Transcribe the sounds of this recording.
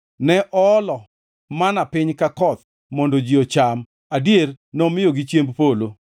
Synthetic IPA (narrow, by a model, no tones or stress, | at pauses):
nɛʔɔlɔ | manapɪɲkakɔt̪ | mɔndod͡ʒɪɔt͡ʃam | adjer | nɔmɪjoɡɪt͡ʃjembpolo